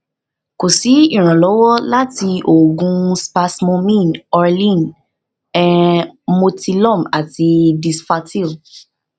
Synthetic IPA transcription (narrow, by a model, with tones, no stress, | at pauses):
ko˨si˨˦ĩ˦˨ɾ̃ã˨lɔ˨˦wɔ˦la˦ti˧o˨ɡũ˧spa˧smɔ̃˧mĩ˦˨nɔ˧ɾlĩ˦˨n | ɛ̃˨mo˧ti˧lɔ̃˦˨ma˨ti˧di˧sfa˧ti˦˨l